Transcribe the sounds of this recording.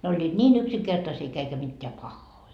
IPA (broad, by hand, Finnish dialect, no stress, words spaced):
ne olʲːiːt nʲiːn yksiŋkertɑsiː eikæ mitːeæ pɑhːoi